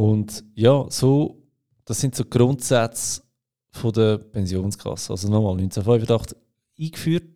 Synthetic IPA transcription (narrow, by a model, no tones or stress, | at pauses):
ʊndjɑːsoː | d̥ɑsɪntsoɡ̥ɾʊntsat͡s | fodəpʰɛnzjoːnskʰɑ̰sːəɑ̰lzonɔmɑːlnynt͡sɛfɔʏfədɑχt | iːkfyːɾt̚